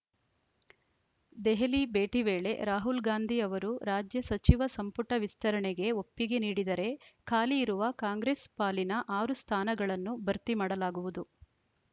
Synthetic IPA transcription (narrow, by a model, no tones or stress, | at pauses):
d̪ɛɦelibeːʈiʋeːɭe̞̰ɾaːɦulɡaːnd̪ʱiɐʋɐɾuɾaːd͡ʒjɐsɐt͡ʃiʋɐsɐmpuʈɐʋist̪ʰɐɾɐɳeɡe̞o̞pːiɡe̞niːɽid̪ɐɾe̞kʰaːliːɾuʋɐkaːŋɡɾeːspaːlinɐʔaːɾust̪ʰaːnɐɡɐɭɐnːubʱɐɾt̪imaːɽɐlaːɡuʋud̪u